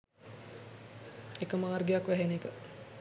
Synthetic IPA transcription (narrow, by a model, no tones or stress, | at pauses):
ekəmaːrɡejakʋæɦenekə